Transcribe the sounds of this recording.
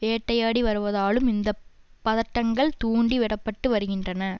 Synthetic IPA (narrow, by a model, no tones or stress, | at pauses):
eːʈːɐjaːɽiʋɐɾɯʋɐðaːlɯmɪnd̪ɐpːɐðɐʈːɐŋɡɐɭt̪uːɳɖiʋɪɽɐpːɐʈːɯʋɐɾɯɣɪndrɐnɐ